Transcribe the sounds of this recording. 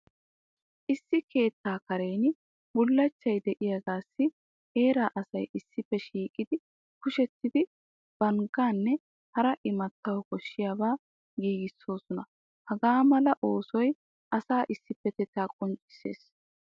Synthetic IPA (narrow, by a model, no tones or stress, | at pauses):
ʔɪsːɪke̞ːt̪ːaːkɐɾe̞ːn | bʊlːɐt͡ʃːɐjd̪ɛʔɪjɐɡaːsːɪ | e̞ːɾaːʔɐsɐjʔɪsːɪpːɛʃiːkʼɪd̪ɪ | kʊʃɛt̪ːɪd̪ɪ | b̥ɐŋɡaːnːɛ | hɐɾɐʔɪmɐt̪ːɐwɔkɔʃːɪjaːbaː | ɡiːɡɪsːo̞ːsɔnɐ | hɐɡaːmɐlɐʔo̞ːsɔj | ʔɐsaːʔɪsːɪpːɛt̪ɛt̪aːkʼɔnt͡ʃʼːɪ̥se̞̰ːs